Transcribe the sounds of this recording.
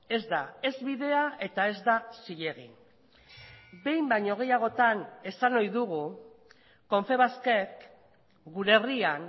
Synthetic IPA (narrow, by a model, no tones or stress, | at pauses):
e̞zd̪ae̞zβiðe̞aʔe̞t̪ae̞zd̪asiʎe̞ɣḭn | be̞jmbajɲo̞ɣ̞e̞jaɣ̞o̞t̪ane̞sano̞jðuɣu | ko̞ɱfe̞βaske̞k | ɡuɾe̞rian